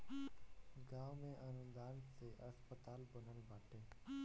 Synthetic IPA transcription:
ɡaːʋmẽːʔənə̃nd̪aːɾseʔəspət̪aːlbənəlbʱaːʈʰeː

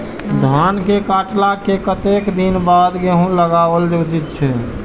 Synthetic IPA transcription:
d̪ʱankekaʈlakekət̪ekd̪inbad̪keɦũləɡabəld͡ʒ̪ed͡ʒit̪̚t͡ʃʰɛ

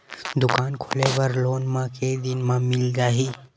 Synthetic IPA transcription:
d̪ʊkaːnkʰo̰lebɐɾloːnmãked̪inmãmilɡaːɦiː

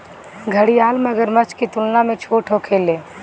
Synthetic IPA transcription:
ɡʱəɽijaːlmɐɡəɾmɐt͡ʃʰkit̪ʊlnamẽt͡ʃʰoːʈʰɦoːkʰeːleː

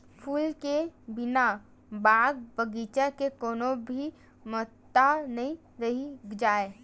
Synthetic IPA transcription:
pʰuːlkebɪna | baːɡ̚bəɡiːt͡ʃakekoːnobʱi | mɔt̪ːanəĩ | ɾəɦid͡ʒaːe

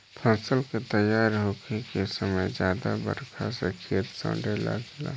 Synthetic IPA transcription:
pʰə̃ːsəlket̪əjaːɾɦokʰekesəməjd͡ʒjaːd̪abə̰ɾkʰasekʰijət̪sə̰̃ɖela̰ɡla̰

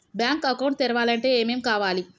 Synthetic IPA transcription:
bjaːŋkɐkɐwɳʈ̚t̪ɛɾɐʋaːlɐɳʈe̞ːeːme̞ːmkaːʋaːli

